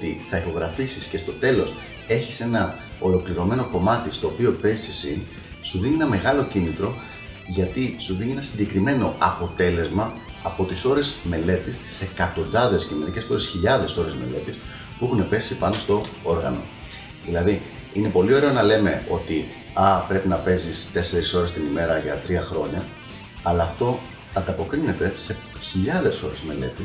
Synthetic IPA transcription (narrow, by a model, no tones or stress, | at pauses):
t̪iθɐixo̞ɣɾɐfisisce̞st̪o̞t̪e̞lo̞s | e̞çise̞nɐ | o̞lo̞kliɾo̞me̞no̞ko̞mɐt̪ist̪o̞ːpio̞pe̞zisisin | suðinie̞nɐme̞ɣɐlo̞cinit̪ɾo̞ | ʝɐt̪isuðinienɐsiɟe̞kɾime̞no̞ʔɐpo̞t̪e̞le̞zmɐːpo̞t̪iso̞ɾe̞zme̞le̞t̪ist̪i̥se̞kɐt̪o̞nd̪ɐðe̞scineɾicespoɾesçiʎɐðe̞so̞ɾe̞zme̞̰le̞t̪is | puexune̞pe̞sipɐno̞st̪o̞o̞ɾɣɐ̰no̞̰ | ðilɐði | ine̞po̞lio̞ɾe̞o̞nɐle̞me̞o̞t̪i | ɐpɾe̞pinɐpe̞zist̪e̞se̞ɾiso̞ɾe̞st̪inime̞ɾɐʝɐt̪ɾiɐxɾo̞ɲɐ | ɐlɐːft̪o̞ | ɐnd̪ɐpo̞kɾine̞t̪e̞se̞çiʎɐðe̞so̞ɾe̞zme̞le̞̰t̪i